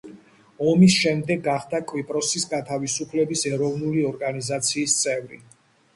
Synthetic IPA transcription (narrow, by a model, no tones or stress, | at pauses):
ɔmisʃɛmd̪ɛɡːaχd̪akʼwipʼɾɔsisɡat̪ʰavisupʰlɛbisɛɾɔvnuliɔɾɡanizat̪sʰiːst̪sʼɛvɾḭ